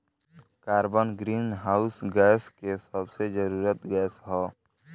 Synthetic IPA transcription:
kaːɾbənɡɾiːnɦaːʊsɡɛːskesəbsed͡ʒəɾuːɾət̪ɡɛːsɦɔː

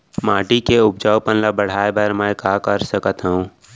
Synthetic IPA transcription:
maːʈikeʊp̚d͡ʒaːʊpənləbəɽ̤aːebəɾmɛkakəɾsəkət̪ɦəũː

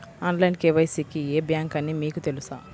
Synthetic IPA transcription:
aːnlɐjnkeːʋɐjsikieːbjaːŋkɐnimiːkut̪e̞lusaː

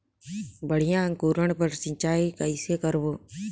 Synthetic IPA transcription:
bəɽ̤ijãkuːɾəɳ̃pəɾsɪ̃ɲt͡ʃaːikəisekəɾboː

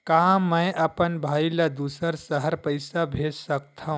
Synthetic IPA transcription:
kãmə̃jʔɐpənbʱaːiləd̪uːsəɾsəɦəɾpəɪsabʱed͡ʒsək̚t̪ʰaũ

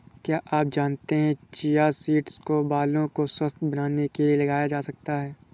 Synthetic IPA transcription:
kjaːʔaːp̚d͡ʒaːnt̪eɦɛ̃t͡ʃijasiːʈskobaːlõkoswɐst̪ʰbɐnaːnekelielɐɡaːjad͡ʒaːsɐk̚t̪aɦɛː

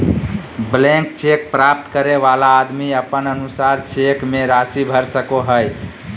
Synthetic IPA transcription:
blẽŋk̚t͡ʃek̚pɾap̚t̪kəɾeʋalaːd̪miəpənənusaɾt͡ʃekmeɾasibʱəɾsəkoɦəj

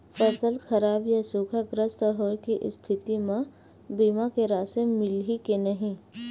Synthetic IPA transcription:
fɐsəlxɐɾaːbjasuːkʰaɡɾəst̪əɦoːkiʔst̪ʰɪt̪imã | biːmakeɾaːsemɪlɦikenɐɦĩ

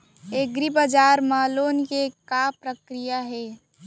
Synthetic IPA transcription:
eɡɾibəd͡ʒaɾmalonkekapɾəkɾijaɦe

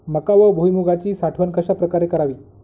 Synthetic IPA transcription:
məkaʋəbʱojmuɡat͡ɕiːsaʈʰʋənkʰəɕapɾəkaɾekəɾaʋiː

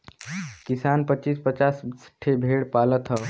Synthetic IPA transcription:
kisanpətːt͡ʃispət͡ʃassə̥ʈʰːebʱeɽpalət̪ɦə

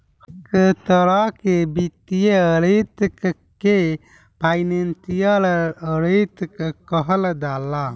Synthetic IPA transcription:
kət̪əɾakebit̪ijeəɾet̪k | ke | painent̪ijələɽət̪kkəɦəld̪aːlːa

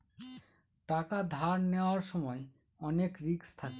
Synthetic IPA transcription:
ʈakad̪ʱaɾneoaɾʃɔmɔe | ɔnekɾikst̪ʰak

